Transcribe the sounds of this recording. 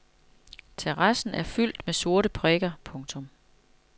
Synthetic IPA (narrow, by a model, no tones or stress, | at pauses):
t͡sʰeʁɑsn̩æɐfyl̰d̥meso̝ɐɾəpʰʁɛɡ̥ɐpʰɔ̽ŋt͡sʰɔ̽m